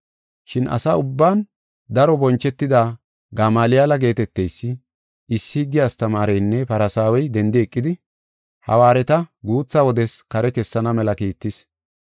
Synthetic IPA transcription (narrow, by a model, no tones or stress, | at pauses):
ʃɪnʔɐ̰saʊbːaːn | d̪ɐɾɔbɔnt͡ʃːɛt̪ːɪd̪aː | ɡɐmaːlɪjalɐɡe̞ːt̪ɛt̪ːɛjsːɪ | ɪsːɪɡɪjast̪ɐmaːɾɛjnːɛpɐɾɐsaːwɛjd̪ɛnd̪ɪɛkʼːɪd̪ɪ | hɐ̰waːɾɛt̪ɐɡuːt͡sːawɔd̪ɛskɐɾɛkɛsːɐnɐmɛlɐkiːt̪ːɪs